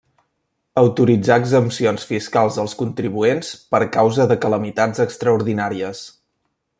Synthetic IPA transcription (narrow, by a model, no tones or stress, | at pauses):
əwt̪uɾid͡zaəɡzəmsionsfiskalˠzðəlˠskunt̪ɾiβuenspəɾkawzəðəkələmit̪ad͡zəkst̪ɾəuɾðinaɾiəs